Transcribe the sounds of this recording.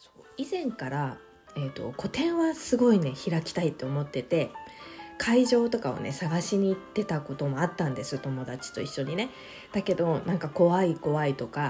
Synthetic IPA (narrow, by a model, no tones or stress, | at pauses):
so̞ːizẽ̞ŋkaɾa | e̞t̪o̞̰ko̞t̪ẽ̞ɰ̃βasɨɡo̞ine̞çiɾakʲi̥t̪ait̪ːe̞o̞mo̞t̪ːe̞t̪e̞ | kʰaiʑo̞ːt̪o̞kao̰ne̞saɡaɕiɲ̟it̪ːe̞t̪ako̞t̪o̞mo̞at̪ːãnd̪e̞sɨt̪omo̞d̪at͡ɕi̥t̪o̞iɕːo̞ɲ̟ine̞ | d̪̥ake̞d̪o̞nãŋkako̞βaiko̞βait̪o̞ka